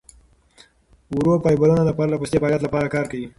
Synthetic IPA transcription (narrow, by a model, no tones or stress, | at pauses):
uɾopɑjbalanalapɑɾalapust̪efɑljat̪lapɑɾakɑɾkawi